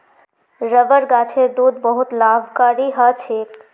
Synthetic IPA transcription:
ɾəbəɾɡat͡ʃʰeɾd̪uːd̪bəɦut̪labʱkaɾiɦət͡ʃʰek

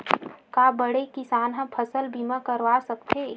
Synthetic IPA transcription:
kabəɽekɪsaːnɦə̃mpʰəsəlbʱiməkəɾʋasəkt̪e

